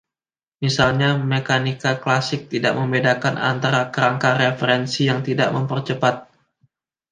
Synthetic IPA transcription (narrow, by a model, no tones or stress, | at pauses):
misalɲamekanikaklasɪk̚t̪ida̰ʔməmbedakanʔa̰nt̪aɾakəɾaŋkaɾefeɾɛnsijaŋt̪ida̰ʔməmpərt͡ʃəpat̪̚